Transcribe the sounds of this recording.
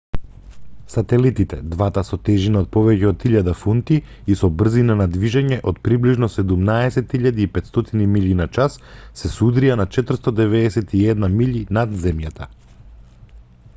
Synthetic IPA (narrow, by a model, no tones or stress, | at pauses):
sat̪ɛlit̪it̪ɛd̪vat̪asɔt̪ɛʒinaɔt̪̚pɔvɛcɛɔt̪iʎad̪afunt̪i | isɔbr̩zinanad̪viʒaɲɛʔot̪̚pɾibliʒnɔsɛd̪umnaɛsɛt̪iʎad̪iːpɛt̪st̪ɔt̪inimiʎinat͡ʃasːɛsud̪ɾijanat͡ʃɛt̪rst̪ɔd̪ɛvɛɛsɛt̪iɛd̪namiʎinad̪zɛmjat̪ʰa